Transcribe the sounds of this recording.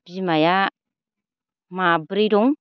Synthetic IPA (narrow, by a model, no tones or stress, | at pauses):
b̥imaja | mabiɾiɾuŋ